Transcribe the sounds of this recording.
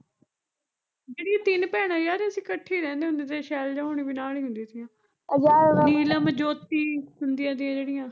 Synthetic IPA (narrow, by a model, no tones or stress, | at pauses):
d͡ʒeːɽijãːt̪ɪnpɛːɽ̃ãːjaːɾeəsĩːkəʈʰːiːɾɛ̃ːnd̪eːʊ̃nd̪eːt̪eʃɛːld͡ʒaːɦoːɳ̃iːbiːnaːliːɦʊ̃nd̪iːd̪ijãː | d͡ʒaniːlãːməd͡ʒoːt̪iːɦʊnd̪ijãːd̪ijãːd͡ʒeːɽɪjãː